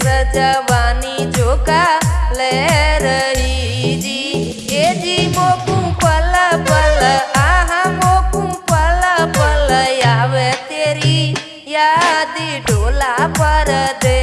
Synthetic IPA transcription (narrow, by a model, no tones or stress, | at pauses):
ɾəd͡ʒəʋaːnid͡ʒokaleɾəi | d͡ʒi | jed͡ʒimokũpəlapələaɦãmokũpəlapəljaʋet̪eɾi | jad̪iɖolapəɾd̪e